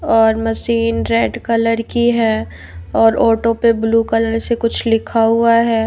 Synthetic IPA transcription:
ɔːɾmɐʃiːnɾeːɖkɐləɾkiɦɛː | ɔːɾɔːʈopebluːkələɾsekʊt͡ʃʰlɪkʰaɦʊaɦɛː

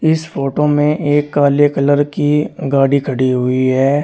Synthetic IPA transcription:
ɪsfoːʈomẽʔeːkːaːljekələɾkiɡaːɽikʰɐɽiɦʊiɦɛː

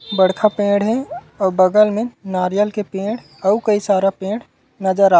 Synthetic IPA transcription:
bəɽkʰapẽːɽɦɛ̃ | ɔːɾbəɡəlmẽnaːɾjəlkepẽːɽ | ɔːukəisaːɾapẽːɽ | nɐd͡ʒəɾa

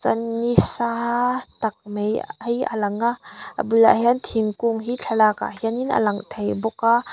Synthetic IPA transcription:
t͡sɐnːisat̪ɐk̚mejjʔa̰lɐŋaʔə̰bula̰ʔɦiɐnt̪ʰiŋkuŋɦit͡ɬʰalaːka̰ʔɦiəninə̰lɐŋt̪ʰejbɔka

